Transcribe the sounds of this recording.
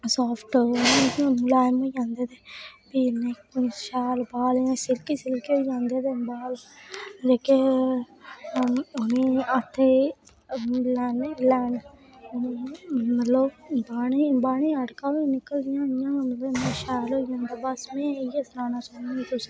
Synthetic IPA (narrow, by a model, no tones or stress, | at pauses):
sɔːpʰʈnẽːkːõnũːlaːjmoːid͡ʒãːnd̪eːd̪eːbiːneːkʃaːlbaːlẽːsɪlkiːsɪlkiːoːid͡ʒãːnd̪eːd̪eːbaːld͡ʒeːke | onẽːət̪ʰːeː | lɛːnelɛːn | mət̪lobaːɳiːbaːɳ̃iːəɽkaːinɪkːəld̪ɪjãːɪjãːənlːnẽʃaːloːid͡ʒãːnd̪aːbəsmẽːiesɾaːnaːsoːnːĩːt̪ʊsi̥